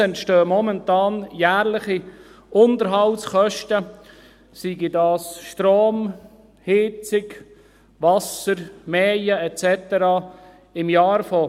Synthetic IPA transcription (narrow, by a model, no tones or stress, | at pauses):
ɛntʃtøːmɔmɛntɑːnjæːɾlɪχi | ʊntəɾɦɑltsχœʃtə | siɡidɑːsʃtɾoːm | hɪt͡sɪɡ | ʋɑsəɾmɛːjəɛtt͡sɛt̪əɾɑː | ɪmjɑːɾfɔ